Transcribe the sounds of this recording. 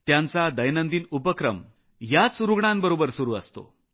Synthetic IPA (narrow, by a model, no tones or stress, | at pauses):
t̪jãnt͡sad̪əjnənd̪iːnupəkɾə̰m | jat͡suɾuɡɳambəɾobəɾsuɾuːəst̪o̰